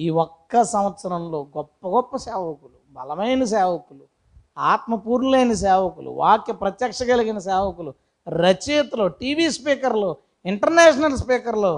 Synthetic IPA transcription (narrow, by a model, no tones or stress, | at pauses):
iːɔkːɐsɐmɐt̪sɐɾɐmlo̞ːɡɔpːɐɡɔpːɐsɛːʋɐkulubʱɐ̰lɐmɐjnɐs̬ɛːʋɐkulu | aːt̪mɐpuːɾnuleːjnɐs̬ɛːʋɐkulṵʋaːkepɾɐt̪jɐkʂɐɡɐliɡinɐs̬ɛːʋɐkulu | ɾɐt͡ʃiːt̪lo̞ːʈiːʋiːspiːkɐɾloː | iɳʈɐɾneːʃ̬ɐnɐlspiːkɐɾlo̞ː